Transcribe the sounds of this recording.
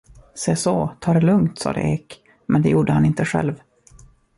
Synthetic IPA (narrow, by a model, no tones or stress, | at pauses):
seːsɔt̪ʰɑːɾɛlɵŋt̪sɑ̰ːd̪ə̰ʔeːk | mʔɛnd̪ɛjuːɖəhanɪnt̪əɧɛ̰lv